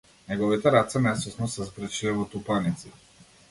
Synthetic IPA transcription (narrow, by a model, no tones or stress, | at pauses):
nɛɡɔvit̪ɛɾat̪sɛmɛsɔsnɔsɛzbɾət͡ʃilɛvɔt̪upanit̪si